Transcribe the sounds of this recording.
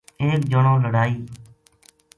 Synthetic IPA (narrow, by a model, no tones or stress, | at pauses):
eːk̚d͡ʒəɳõːləɽaːiː